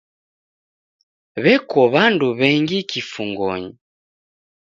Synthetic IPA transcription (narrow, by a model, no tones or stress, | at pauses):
βɛkɔβanduβɛŋɡikifuŋɡɔ̰ɲi